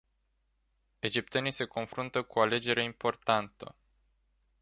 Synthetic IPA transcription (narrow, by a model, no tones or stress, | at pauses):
e̞d͡ʒip̚t̪enijse̞ko̞nfɾunt̪əkuale̞d͡ʒe̞ɾeimpo̞rt̪ant̪ə̰